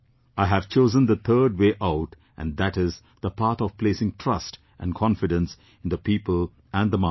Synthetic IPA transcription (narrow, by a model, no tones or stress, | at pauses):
aɪɦæv̥t͡ʃoːzə̃nd̪ət̪ʰəːɖ̚weːʔaʊʈ | ʔæ̃nd̪æʈɪz | d̪əpʰaɾt̪ʰɔv̥pleːsɪ̃ŋʈʰɾʌst | ʔæ̰̃nkʰɔ̃nfɪɖə̃ns | ɪ̃nd̪əpiːpəl | æ̃nd̪əma